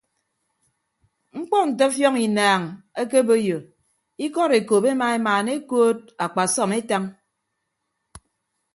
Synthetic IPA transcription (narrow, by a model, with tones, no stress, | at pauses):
ŋ͡m̩˦k͡pɔ˦n̩˨t̬ɔ˦fjɔ˦ŋi˨naː˨ŋe˦ke˦bo˦jo˨ | i˦kɔ˦ɾe˨ko˨pe˦ma˨˦e˦maː˨ne˦koː˦t̚a˨k͡pa˨sɔ˦˨me˦ta˦ŋ